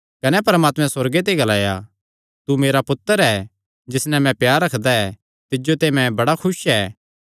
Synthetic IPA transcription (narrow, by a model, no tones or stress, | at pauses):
kɐnɛpɐɾmaːt̪mɛ̃sɐɾɡet̪̬eɡɐlaːja̰ | t̪umeːɾapʊt̪ːəɾɛː | d͡ʒɪsnɛ̃mɛ̃pjaːɾːɐkʰd̪aɛ | t̪ɪd͡ʒot̪emɛ̃bɐɽakʰʊsɛː